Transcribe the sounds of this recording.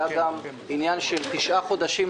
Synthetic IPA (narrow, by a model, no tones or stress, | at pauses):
aɡam | injanʃelt̪iʃʔaχo̞d̪aʃim